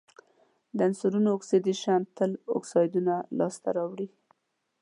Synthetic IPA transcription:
d̪əansuɾunoːksid̪iʃant̪ːəlo̰ksɑjd̪unalɑst̪aɾɑwɽi

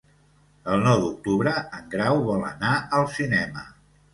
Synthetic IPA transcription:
əlˠnɔwd̪uk̚t̪uβɾəəŋɡɾawβɔlˠə̰naəlˠsinɛmə̰

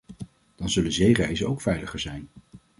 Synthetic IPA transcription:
d̥ɑnzɵlənzejrɛjzəowkfɛjləχəɹzɛjn

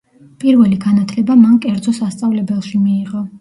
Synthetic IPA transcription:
pʼiɾvɛliɡanat̪ʰlɛbamankʼɛɾd̪zɔsast̪sʼavlɛbɛlˠʃimiːʁʼɔ

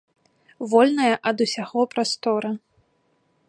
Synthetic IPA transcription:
vɔlʲnɐjɐʔɐd̪usʲaɣɔpɾast̪ɔɾɐ

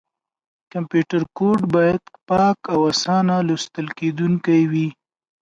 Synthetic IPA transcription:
kampjuʈaɾkoɖbɑjad̪pɑkawasɑnalost̪əlked̪uŋkajwi

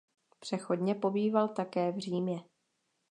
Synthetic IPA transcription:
pr̝̥ɛxo̞dɲɛpo̞biːvalt̪akɛːvr̝iːmɲɛ

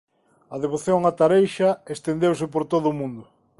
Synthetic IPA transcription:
ɐð̞eβ̞oθjoŋat̪aɾejʃɐest̪end̪ewsɪpoɾt̪oðʊːmũnd̪ʊ

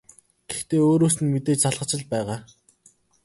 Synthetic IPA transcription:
ɡ̥ext̪eːoːɾoːsɘ̆nmet̪eːt͡ɕt͡saɮʁə̆t͡ɕɪ̆ɮpæːʁaː

